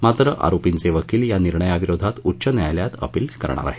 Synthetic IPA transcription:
mat̪ɾəʔa̰ɾopint͡seʋəkiːljaniɾɳəjaʋiɾod̪ʱat̪utːɕənjajljat̪ə̰piːlkə̰ɾɳa̰ɾa̰ɦe

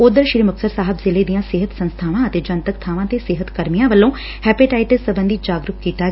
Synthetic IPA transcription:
oːd̪əɾʃɾiːməksəɾsaːɦəbzɪleːd̪ijãːsɪɦət̪sənst̪ʰaːʋãːət̪eːd͡ʒənt̪əkt̪ʰaːʋãːt̪eːsɪɦət̪kəɾmijãːʋəlːõː | hɛːpɪʈaːɪʈəsːəbənd̪id͡ʒaːɡɾʊkkiːt̪aːɡɛ

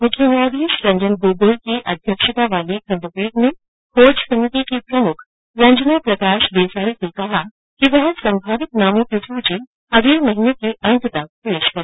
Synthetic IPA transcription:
mʊkʰjənaːd̪ʱiːʃɾɐ̃ɲd͡ʒənɡoːɡoːlkiʔɐd̪ʱjəkʃɪt̪aʋaːlikɐ̃mb̪əpiːd̪mẽ | hʰoːd͡ʒsɐmɪt̪ikipɾɐmʊkʰ | ɾɐ̃ɲd͡ʒnapɾɐkaːʃd̪eːsaːisekɐɦa | kiʋɐɦsɐ̃mbʱaːʋɪt̪naːmõkɪt̪ʰud͡ʒi | ɐɡ̪ʱiːlmɐɦinekeʔɐ̃nt̪t̪ɐk̚peːʃkɐɾ

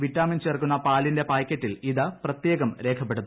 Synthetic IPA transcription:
ʋitːaːmint͡ɕeːrkunːɐpaːlinde̞paːjkʲːɐtːiliðɨprɐt̪jeːɣɐmɾe̞ːkʰɐpːe̞ɽuð

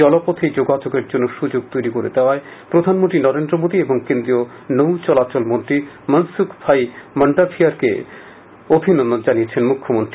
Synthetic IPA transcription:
ɔlopot̪ʰed͡ʑoɡad͡ʑoɡeɾd͡ʑonːoʃud͡ʑoɡ̚t̪ojɾikoɾed̪eoae | pɾod̪ʱanmont̪ɾinɔɾend̪ɾomod̪ieboŋkend̪ɾio | nowt͡ɕɔlat͡ɕolmont̪ɾi | mənsukʰbʰʱajməɳɖafʰiaɾkḛ | obʱinonːod͡ʑaniet͡ɕʰenmukʰːomont̪ɾi

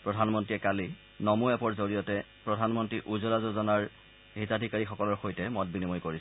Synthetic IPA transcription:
pɹɔdʱanmɔntɹiɛkali | nɔmuɛpɔɹzoɹijɔtɛ | pɹɔdʱanmɔntɹiʔuzɔlazozɔnaɹ | ɦitadʱikaɹixɔkɔlɔɹxojtɛmɔt̚binimojkoɹis

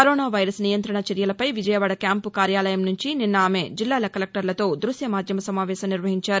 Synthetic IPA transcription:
kɐɾoːnaːʋɐjɾɐsnijɐnt̪ɾɐɳɐt͡ʃɐɾjɐlɐpɐjʋid͡ʒɐjɐʋaːɽɐkjaːmpukaːɾjaːlɐjɐmnuɲt͡ʃininːɐaːmed͡ʒilːaːlɐkːɐlek̚ʈɐɾlɐt̪o̞ːd̪ɾusjɐmaːd̪ʱjɐmɐsɐmaːʋɛːsɐmniɾʋɐɦiɲt͡ʃaːɾu

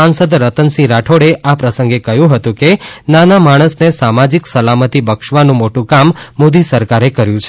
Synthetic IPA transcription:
ansəd̪ɾət̪ənsĩɾaʈʰoɽeʔapɾəsə̃ŋɡekəɦjũɦət̪ũkenanamaɽ̃əsnesamad͡ʒiksəlamət̪ibəkʃʋanũmoʈũkamːod̪isəɾkaɾekəɾjũt͡ʃʰe

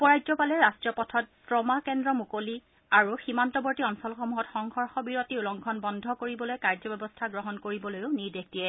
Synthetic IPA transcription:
ɔpɔɹajzɔpalɛɹastiɔpɔtʰɔt̚tɹɔmakɛndɹɔmukoli | aɹuximantɔbɔɹtiɔnsɔlxɔmuɦɔtxɔŋxɔɹxɔbiɹotiulɔŋkʰɔnbɔndʱɔkoɹibɔlojkaɹzɔbɛbɔstʰaɡɹɔɦɔnkoɹibɔlojʊniɹdek̚d̥ijɛ

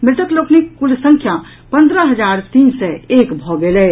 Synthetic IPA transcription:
mɾɪt̪əkloːknikkʊlsə̃ŋkʰja | pɐ̃nd̪ɾəɦɐzaːɾt̪iːnseeːkbʱɔːɡeːleː

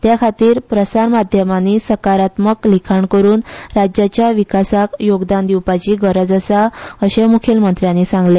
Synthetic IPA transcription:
t̪jakʰat̪iːɾpɾəsaɾmad̪ʱjəmanisəkaɾat̪məklikʰaɳkəɾuːnɾad͡ʑjat͡ɕjaʋikasakjoɡd̪and̪iwpat͡ɕiːɡəɾəd͡zəsaəɕemukʰelmənt̪ɾjanːiːsãŋɡle

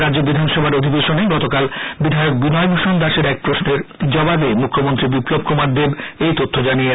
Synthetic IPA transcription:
ɾad͡ʑobid̪ʱanʃɔbʱaɾod̪ʱibeʃoneɡɔt̪okalbid̪ʱajok̚binɔebʱuʃond̪aʃeɾɛk̚pɾosneɾd͡ʑɔbabemukʰːomont̪ɾibiplob̚komaɾd̪ebejt̪ot̪ʰːod͡ʑanie

